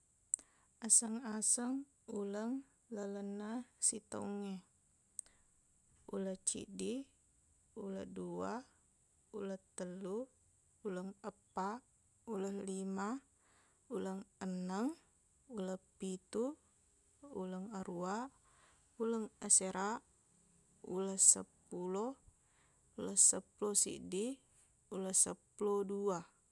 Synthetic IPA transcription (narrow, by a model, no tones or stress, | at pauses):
asəŋasəŋ | uləŋ | lələnəsit̪o̰uŋe | uləht͡ʃḭdi | ulə̰dua | ulət̪əlu | uləŋəpaʔ | uləhlima | uləŋənːəŋ | uləpit̪uː | ləŋaɾua | uləŋəseɾa | uləsə̰pulɔ | uləsəpulɔsḭʔdi | uləsəpulodua